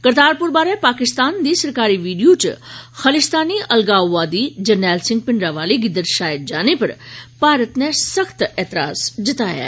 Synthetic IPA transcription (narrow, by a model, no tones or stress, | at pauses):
kəɾt̪aːɾpʊɾbaːɾɛpaːkɪst̪aːnd̪iːsɐɾkaːɾiʋiːɖijot͡ʃxɐlɪst̪aːniɐlɡaːʋaːd̪id͡ʒɐɾnɛːlsɪ̃ŋɡ̚pɪɳɖɾaʋaːleɡɪd̪əɾʃaːjd͡ʒaːnepɐɾpaːɾət̪nẽsɐxt̪ɛːt̪ɪɾa̰ːsd͡ʒ̪ɪt̪aːja̰ː